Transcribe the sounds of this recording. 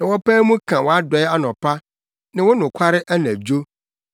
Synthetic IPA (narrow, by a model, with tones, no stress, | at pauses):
nã˨wɔ˦paː˦mũ˦kʰã˨wɔ˨a˦dɔ˨ɛ˦a˦nɔ̃˨pʰa˦ | nã˨wɔ˦nʊ̃˨kʷʰa˦ɾɪ˦ʔæ˦nã˨d͡ʑo˦